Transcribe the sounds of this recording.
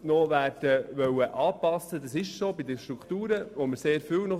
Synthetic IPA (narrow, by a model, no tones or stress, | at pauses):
nɔʋæːrd̥əʋœwəʔɑːpɑsːəd̪ɑsɪʃsoːbid̪əʃt̪ɾukt̪uːɾəʋoməɾseːɾfyːwnɔ